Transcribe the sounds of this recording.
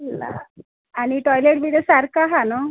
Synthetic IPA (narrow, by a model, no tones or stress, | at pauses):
la̰ | aɽ̃iʈɔjleʈʋiɽjosaɾkaɦanɔ